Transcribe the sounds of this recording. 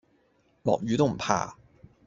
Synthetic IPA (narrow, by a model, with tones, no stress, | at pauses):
lɔ̰ː˨k̚ɥyː˨˧t̪o˥wm̩˨˩pʰa̰ː˧˥